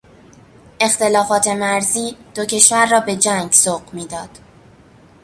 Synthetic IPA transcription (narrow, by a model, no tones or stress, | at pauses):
ʔe̞xt̪e̞lɒːfɒːt̪ʰe̞mæɾziːd̪̥ocʰe̞ʃvæɾːɒːbe̞d͡ʒæŋɡsoɢmiːd̪ɒːd̪̥